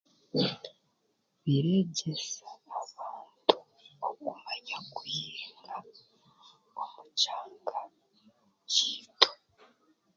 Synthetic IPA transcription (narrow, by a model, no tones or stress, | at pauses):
βiɾe̞ɟesaːβaːntʰu̥ | okumaɲakujiːŋɡa | omucaːŋɡa | ciːto̥